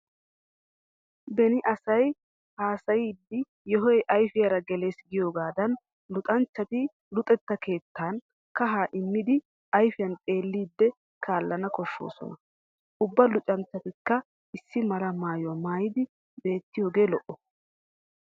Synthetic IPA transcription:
bɛnɪʔɐsɐj | haːsɐjiːd̪ːɪ | jɔɦɔjʔɐjfɪjɐɾɐɡɛle̞ːsɡɪjo̞ːɡaːd̪ɐn | lʊt̪ʼɐnt͡ʃːɐt̪ɪ | lʊt̪ʼɛt̪ːɐke̞ːt̪ːaːn | kɐɦaːʔɪmːɪd̪ɪ | ɐjfɪjɐnt̪ʼe̞ːlːiːd̪ːɛ | kʰaːlːɐnɐkɔʃːo̞̰ːsɔ̰nɐ | ʔʊbːɐlʊt͡ʃʼɐnt͡ʃːɐt̪ɪkːɐ | ɪsːɪmɐɾɐmaːjɔmaːjɪd̪ɪ | be̞ːt̪ːɪjoːɡe̞ːlɔʔɔ

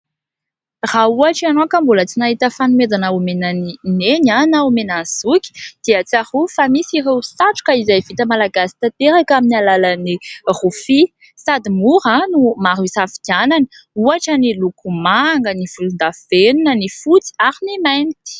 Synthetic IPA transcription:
rauaʈ͡ʂianokambulət͡sinaɦit̪əfanumed͡zanaumenanineɲanaumenanzukʲi̥d̪̥eat͡sahufamisirewsaʈ͡ʂu̥kaizajvit̪əmalaɡasi̥t̪at̪eɾakaminialalənirufi | sad̪imuɾanumaɾusafi̥kanani̥ | uaʈ͡ʂənilukumaŋɡəniv̥ulund̪avenunənifut͡si̥aɾinimajni̥ki̥

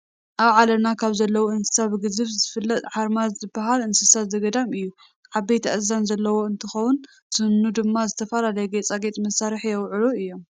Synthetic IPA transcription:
ʔaβʕalɐnakʰaβzɐlːɐwoɨnsɨ̥saβɨɡɨzɨβzɨfɨlːɐt̪ʼħaɾmazzɨbːaɦalɨnsɨsat̪zɐɡɐd̪amɨjːu | ʕaβet̪ʰaʔɨzanzɐlːɐwo̞ɨnt̪ʰɨxɐwʊn | sɨnːud̪ɨmːazɨt̪ʰɐfɐlalɐjɛɡet͡sʼaɡe̞t̪ʼmɐsaɾɨħjɛwʕɨluɨjːo̞m

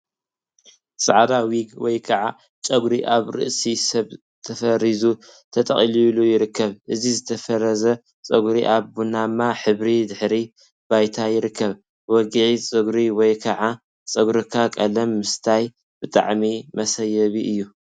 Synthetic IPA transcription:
sʼɐʕad̪awiɡwɔjkʰɐʕa | t͡ʃʼɐɡɾiʔaβɾɨ̰ʔsisɐβ | t̪ʰɐfɐɾizut̪ʰɐt̪ʼɐ̰χʼililujɪɾɨkʰːɐβʔɨzizɨt̪ʰɐfɐɾɐzɐ | t͡sʼɐɡɾiʔaβbunamːaħɨβɾid̪ɨħɾi | bajt̪ʰajɪɾɨkʰːɐβ | wɔɡʕit͡sʼɐɡɾiwɔjkʰɐʕa | t͡sʼɐɡɾɨkʰakʼɐlɐmːɨst̪ʰaj | b̥ɨt̪ʼa̰ʕmimɐsɐjːɐβiʔɨjːu

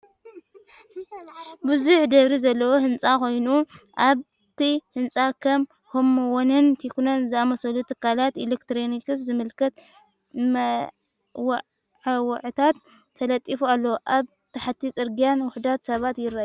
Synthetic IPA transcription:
bɨzuħd̪ɐβɾizɐlːɐwohɨnt͡sʼako̞jnuʔaβ | t̪ʰihɨnt͡sʼakʰɐm | homːɐwonɨnt̪ʰikunonzɨamɐsɐlut̪ʰɨkʰːalat̪elekt̪ɾonikɨszɨmɨlkʰɐt̪ | mɐ | w | ʕawɐʕt̪ʰat̪ʰː | ɐlɐt̪ʼifualːɐwoʔaβ | t̪ʰɐħat̪ʰːit͡sʼɨɾɡijanwʊħd̪at̪sɐβat̪jɪrːaju

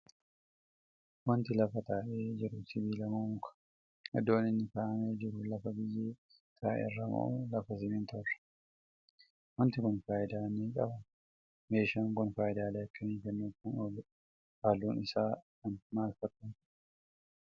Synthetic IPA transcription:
wɐnt̪ɪlɐfɐt̪aːʔeːd͡ʒɪɾʊsɪbiːlɐmomʊkɐ̥ | ɛ̰d̪o̞ːnɪnːɪkaːʔɐmeːd͡ʒɪɾʊlɐfɐbɪjːeː | t̪ʰaːʔḛrːɐmɐ̰ʔuːlɐfɐs̬ɪmɪnt̪ʰɔrːɐ̥ | wɐnt̪ɪkʊnfaːʔɪd̪aːniːkʼɐ̰bɐ | meːʃaŋkʊnfaːjɪd̪aːleːɐkːɐmiːkɛnːuːkːʊnɔl | aluːnɪsaː | ɐnmaːlfɐt̪ːɐntɪ

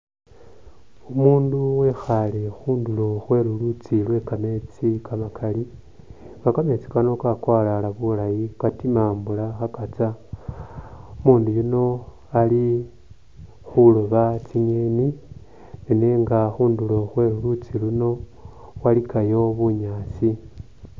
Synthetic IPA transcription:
umuːnduwe̞xalexuːndulo̞xwe̞lulut͡silwe̞kame̞t͡sikamakʰali | kakame̞t͡si̥kanokakwaːlalaβulajikatimaːmbulaxakat͡sa | umuːndujuno̞ | ali | xuloβat͡siɲeni | neneːŋɡaxuːndulo̞xwe̞lulut͡siluno̞ | walikajo̞βuɲaːt͡si

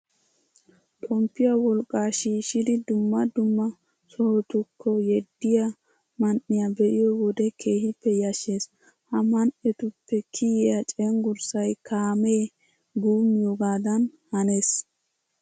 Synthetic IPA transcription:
t̪ʼɔmpːɪjɐwɔlkʼːaːʃiːʃɪd̪ɪd̪ʊmːɐd̪ʊmːɐ | sɔhɔt̪ʊkʰːɔjɛd̪ːɪja | mɐnʔɪjabɛʔɪjɔwɔd̪ɛkʰe̞ːhɪpːɛjɐʃeːs | hɐmɐnʔɛt̪ʊpːɛkʰɪjɪjat͡ʃʼɛŋɡʊɾsɐjkʰaːmeː | ɡuːmːɪjoɡaːd̪ɐnhɐnes

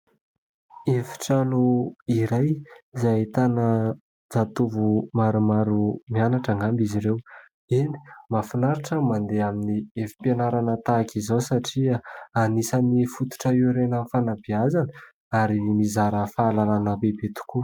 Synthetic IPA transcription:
efi̥ʈ͡ʂanuiɾajzat̪anə | d͡zat̪uvumaɾumaɾumianaʈ͡ʂaŋambiziɾew | ini̥mafinaɾiʈ͡ʂəmand̪eaminiefi̥penaɾanət̪akizosaʈ͡ʂiaanisanifut̪u̥ʈ͡ʂəiɾenəfanabiazanə | aɾimizaɾəfaːlalanəbebet̪u̥ku

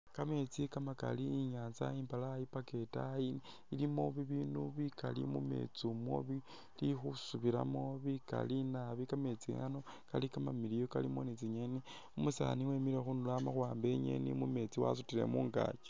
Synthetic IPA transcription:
kame̞t͡sikamaka̰liːɲaːnzaiːmpalajipake̞tai | ilimo̞βiβiːnuβikalḭmume̞̰t͡sumwo̰βi | lixusuβila̰mo̞βika̰linaβikame̞t͡sḭanokalikamamilijokalimonit͡siɲeni | umusa̰niwemiɾexunulamaxwaːmbe̞ɲḛnḭmume̞t͡siwa̰sutile̞̰muːŋɡa̰t͡ʃe̥

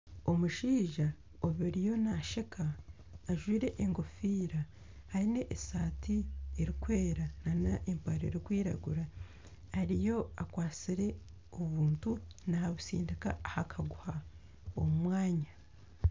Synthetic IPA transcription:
o̞muʃiːʒa | oβiɾijo̞naʃekʰaː | ʒwiːɾeʔeŋɡo̞fiːɾa | haine̞ʔesaːtieɾikwe̞ːɾananaʔempaɾoeɾikwiːɾa̰ɡuɾaː | ɾijo̞akwaːt͡siɾe̞ | oβuːntunahaβusḭːndika̰ːhakʰaɡuha | o̞mumwaːɲa

